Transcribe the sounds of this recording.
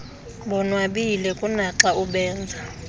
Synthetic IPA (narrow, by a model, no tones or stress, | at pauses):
ɓɔnwaɓilɛkʼunaǁauɓɛːnd͡zʱa